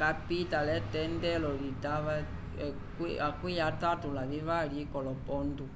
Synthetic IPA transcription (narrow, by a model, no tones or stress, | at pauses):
kapitalɛtɛndɛlɔɾitaʋa | kiakwijatatulaβiʋaɾikɔlɔpɔndu